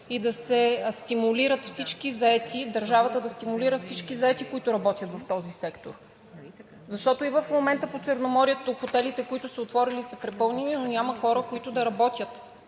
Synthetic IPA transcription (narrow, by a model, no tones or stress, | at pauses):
id̪ɐsɛst̪imuliɾət̪fsit͡ʃkizɐɛt̪ʰid̪ɐɾʒavɐt̪əd̪ɐst̪imuliɾəfsit͡ʃkizɐɛt̪ikoit̪ʊɾɐbɔt̪jət̪vɐft̪ɔzisɛkt̪oɾ | zɐʃt̪ɔt̪oivəfmomɛnt̪əpot͡ʃɛɾnomɔɾijət̪oxot̪ɛlit̪ɛkoit̪ʊsəot̪vɔɾilisəpɾɛpɤlˠnɛninonʲamɐxɔɾəkoit̪ʊd̪ɐɾɐbɔt̪ʲjət̪